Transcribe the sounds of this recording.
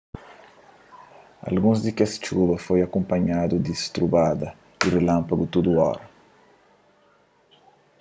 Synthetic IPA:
a̰lɡũzd̪ɪkɛst͡ʃuβɐfojakõmpɐɲad̪ud̪ist̪ɾubad̪ɐ | irelãmpaɡut̪ud̪uɔ̰ɾɐ

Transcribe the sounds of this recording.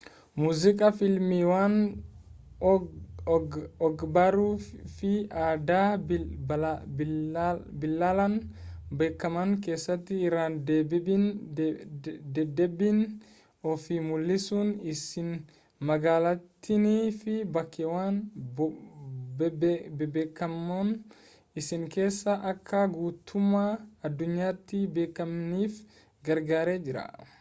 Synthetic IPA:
muzikʼafilmiwan | ɔɡbaɾufiada | bilːalanbɛkːamankɛsat̪iːɾandɛbbin | dɛdɛbin | ɔfimʊlːɪsuːnɪsɪn | mɐɡaːlɐt̪ːɪniːfɪbɐkːɛwaːn | bbeːkːɐmːon | ɪsɪŋke̞ːsːɐʔɐkʰːɐɡuːt̪ʰʊmaːɐd̪ːʊɲːaːt̪ːɪbeːkːɐmniːf | ɡɐɾɡaːɾeːd͡ʒɪɾɐ̰

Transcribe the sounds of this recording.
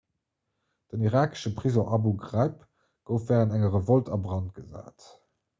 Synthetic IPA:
d̥əniʁaːkə̥ʃəpʁizoʔɑbuɡʁɑɪp | ɡ̥əʊfæːʁənæŋəʁəvoltʰɑbʁɑnt̚ɡ̥əza̰ːt

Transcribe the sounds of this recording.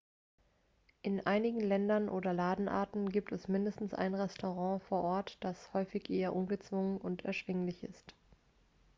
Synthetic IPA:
ʔɪnʔaɪnɪɡŋ̩lɛndɐnʔoːdɐlaːdn̩ʔa̰ɐtn̩ɡiːp̚tʰɛsmɪndəstn̩sʔa̰ɪnʁɛstʰoʁɑ̃ːfoːɐʔɔɐtd̥ashɔʏfɪçʔeːɐʔʊnɡət͡sv̥ʊŋənʔʊntʰɛ̰ɐʃv̥ɪŋlɪçɪ̰st

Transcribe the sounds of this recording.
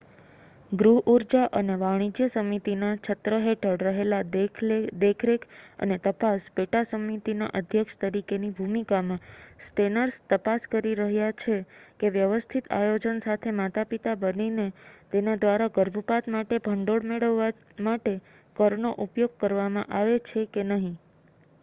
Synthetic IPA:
ɡɾuɦʔuɾd͡ʒaʔəneʋaɽ̃id͡ʒjəsəmit̪inat͡ʃʰət̪ɾəɦeʈʰəɽɾəɦela | d̪ekʰɾekə̰net̪əpaspeʈasəmit̪ina̰ʔəd̪ʱjəkʃt̪əɾikenibʱumikamãsʈenəɾst̪əpaskəɾiɾəɦjat͡ʃʰekeʋjəʋəst̪ʰit̪a̰jod͡ʒənsat̪ʰemat̪apit̪abəninet̪enad̪ʋaɾaɡəɾbʱəpat̪maʈebʱəɳɖoɽmeɭəʋːa | maʈe | kəɾnoʔupjoɡ̚kəɾʋamãʔaʋet͡ʃʰekenəɦĩ

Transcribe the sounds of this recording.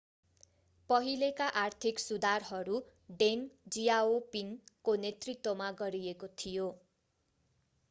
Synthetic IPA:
pʌɦilekaʔart̪ʰiksud̪arɦʌɾu | ɖeŋd͡zijaopinkonet̪rit̪womaɡʌɾiekot̪ʰijo

